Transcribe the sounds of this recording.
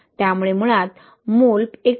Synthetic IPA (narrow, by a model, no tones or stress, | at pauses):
t̪jamuɭem̤uɭat̪ | mulpek